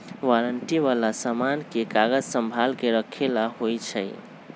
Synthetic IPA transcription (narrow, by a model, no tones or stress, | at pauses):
waɾəɳʈiʋalasamankekaɡəd͡ʒsəmbʱalkeɾəkʰːelaɦojt͡ʃʰəj